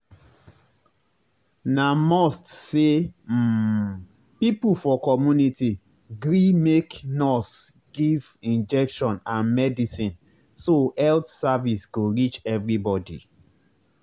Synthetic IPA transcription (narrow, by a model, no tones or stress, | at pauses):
namɔstse | pipufɔkɔmjuniti | ɡɹimeknɔs | ɡ̥ivĩnd͡ʒɛkʃɔ̃nãnmɛdisĩn | soɛltsavisɡoɹit͡ʃɛvɹibɔdḭ